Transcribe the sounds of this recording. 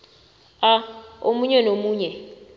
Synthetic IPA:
aomuɲɛnomuːɲɛ

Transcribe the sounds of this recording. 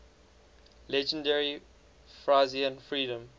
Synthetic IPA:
lɛd͡ʒə̃ndɛɹi | fɹaziə̃nfɹiːdə̃m

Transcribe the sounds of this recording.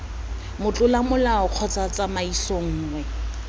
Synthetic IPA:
mʊt͡ɬʼʊlamʊlaʊq͡χʰɔt͡sʼat͡sʼamaisɔŋ̩ːŋwɛ

